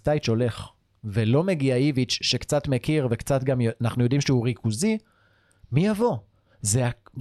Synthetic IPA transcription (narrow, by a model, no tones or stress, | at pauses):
t̪ajt͡ʃo̞le̞χ | velo̞me̞ɡiaivit͡ʃʃekt͡sat̪mekiʁvekt͡sat̪ɡamjanaχnujod̪imʃeuʁikʰuzi | mijavo̞ | zea